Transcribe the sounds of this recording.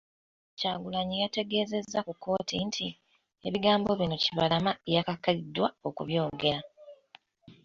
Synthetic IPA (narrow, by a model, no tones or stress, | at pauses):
caːɡulaɲijate̞ɡe̞ːze̞zːakukːo̞ːtintʰi | e̞βiɡaːmbo̞βino̞ciβalamaejakakːaidwao̞kuβjo̞ːɡe̞ɾa